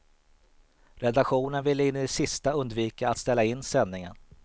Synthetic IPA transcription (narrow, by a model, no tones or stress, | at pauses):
ɾɛd̪aɧuːnənvɪlːəɪnːɛsɪst̪aɵnd̪viːkaːt̪st̪ɛlːaɪnːsɛnːɪŋə̰n